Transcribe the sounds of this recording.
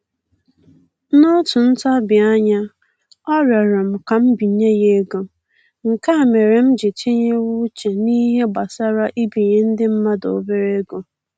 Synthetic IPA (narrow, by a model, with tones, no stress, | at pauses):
nʊ˦tʊ˨n̩˦ta˦bɪ˨a˦ɲa˦ | ɔ˦ɾa˨ɾa˨m̩˨ka˨m̩˦bi˨ɲe˦je˦ɡo˨ | ŋ̩˨ka˦˨me˨ɾe˨m̩˦d͡ʒe˨t͡ʃe˦ɲe˦wu˦t͡ʃe˨ni˦ɦe˦ɡ͡ba˨sa˦ɾa˦ʔi˦bi˨ɲe˦n̩˦dɪ˦m̩˦ma˦do̰˨be˦ɾe˦ɡo˨